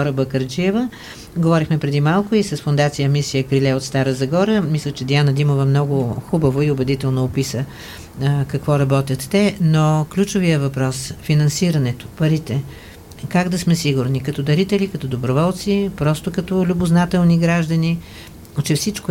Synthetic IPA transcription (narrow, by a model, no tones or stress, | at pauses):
ɔɾəbəkəɾd͡ʒiɛvə | ɡovɔɾixmɛpɾɛd̪imalˠkʊisɐsfʊnd̪at̪sijəmisijəkɾilɛot̪st̪aɾəzɐɡɔɾəmislʲət͡ʃɛd̪ianəd̪imovɐmnɔɡʊxubɐvoiobɛd̪it̪ɛlˠnoːpisə | kɐkvɔɾɐbɔt̪ʲət̪ːɛnoklʲut͡ʃʊvijəvɐpɾɔsfinɐnsiɾɐnɛt̪ʊ̥pɐɾit̪ɛ | kaɡd̪ɐsmɛsiɡʊɾnikɐt̪ɔd̪ɐɾit̪ɛlikɐt̪ɔd̪obɾovɔlˠt̪sipɾɔst̪ʊkɐt̪ɔlʲʊbʊznat̪ɛlˠniɡɾaʒd̪əni | t͡ʃɛfsit͡ʃkʊ